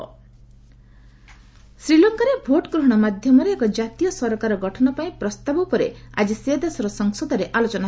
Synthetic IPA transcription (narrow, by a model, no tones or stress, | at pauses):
sɾilɔŋkaɾebʱoʈɔɡɾuɦɔɽ̃ɔmad̪ʱjɔmɔɾeːkɔd͡ʒat̪ijɔsɔɾɔkaɾɔɡɔʈʰɔnɔpaĩpɾɔst̪abɔpɔɾea̰d͡ʒised̪esɔɾɔsɔŋsɔd̪ɔɾeʔalot͡ʃɔna